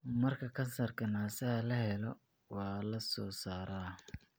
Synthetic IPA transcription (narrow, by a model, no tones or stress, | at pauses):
mɐrkʰɐkʰɐnsɐrkʰɐnaːsɐhɐlɐhɛlɔ | wɑːlɐsɔːsaːɾa